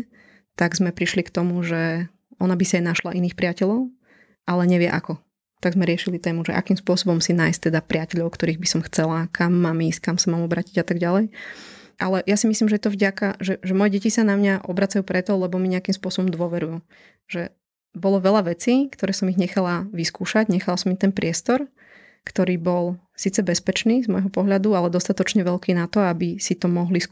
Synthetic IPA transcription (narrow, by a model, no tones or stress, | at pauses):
t̪aɡzmɛpɾiʃlikt̪ɔmuʒɛ | ɔnabisiajnaʃlaʔiniːxpɾɪacɛʎɔʊ | ʔalɛɲɛʋɪɛʔakɔ | t̪aɡzmɛɾɪɛʃilit̪ɛːmuʒɛ̰ʔa̰kiːmspʊɔsɔbɔmsinaːjst̪ɛd̪apɾɪacɛʎɔʊkt̪ɔɾiːɣbisɔmxt͡sɛlakʰamːaːmiskamsamaːmɔbɾaːciɟat̪aɡɟalɛj | ʔalɛjasimisliːmʒɛt̪ɔvɟakaʒɛʒɛmɔjɛɟɛcisanamɲaʔɔbɾat͡sajuːpɾɛt̪ɔlɛbɔmiɲɛakimspʊɔsɔbɔmd̪ʊɔʋɛɾujuː | ʒ̥ɛ | bɔlɔʋɛʎaʋɛt͡siːkt̪ɔɾɛːsɔmiɣɲɛxalaʋiskuːʃaɟɲɛxalasɔmit̪ɛnpɾɪɛst̪ɔɾ | kt̪ɔɾiːbɔl | siːt͡sɛbɛspɛt͡ʃniːzmɔjɦɔpɔɦʎad̪ualɛd̪ɔst̪at̪ɔt͡ʃɲɛʋɛʎkiːnat̪ɔabisit̪ɔmɔɦlis